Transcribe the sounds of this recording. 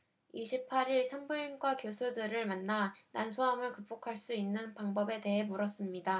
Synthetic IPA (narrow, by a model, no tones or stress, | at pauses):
iɕʰipʰaɾiɭsʰambuinɡwakjosʰudɯɾɯɭmanːanansʰuɦamɯɭkɯp̚p͈okʰaɭs͈uinːɯnpaŋbʌbe̞te̞ɦe̞muɾʌs͈ɯmɲida